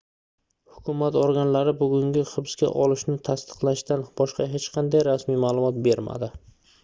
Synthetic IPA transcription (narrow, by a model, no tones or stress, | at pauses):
hʊkʰʲʊmat̪oɾɡʲanlaɾɪbʊɡʲʊŋɡʲɪχɨbɪskʲa̰ʔɒlɪʃnɪt̪ʰast̪ʰɨ̥qlˠaʃt̪anb̥ɒʃqɑɦet͡ʃqʰɑnd̪ajɾasmijmaːlˠʊmɒt̪̚be̞ɾma̰d̪ɪ